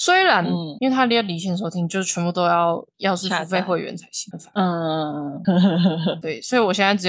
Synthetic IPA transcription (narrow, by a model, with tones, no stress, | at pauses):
swe˥ɪɻa˧˦˥ni˥nwe˥˩ɪa˥˧˥li˧˥ɕ̬ʰɛ˨n˩ʂo˨˩ʊt̪ʰi˧˥˩t͡ɕjo˥˧ʊʂ̩˥˩t͡ɕʰwɛ˧˥pu˥˧t̪o˥ʊjɑ˥˧ʊjɑ˥˧ʊʂɻ̩˥˩˧u˧˥fe˥˧ɪxwe˥˩ɪɥɛ̰˧˥nt͡sʰa˧˥ɪɕi˧˥˩fa˨˩˥ | t̪we˥˩ɪswɔ˧˥i˧˥wɔ˨˩ɕjɛ˥˧nt͡sa˥˩ʈ͡ʂɻ̩˨˥